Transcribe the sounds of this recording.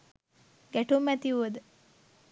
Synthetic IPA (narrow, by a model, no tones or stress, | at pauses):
ɡɛʈʰomɛt̪iʋəd̪